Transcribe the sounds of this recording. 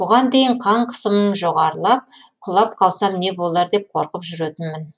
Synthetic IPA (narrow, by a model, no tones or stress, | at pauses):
bʊʁɑnd̪e̞jɪɴqʰɑɴqʰə̥səmənʒo̞ʁɑɾlˠɑp̚qʰʊlˠɑp̚qʰɑlˠsɑmne̞bo̞lˠɑɾd̪e̞p̚qʰoɾqəpʒʏɾet̪ɪnmɪn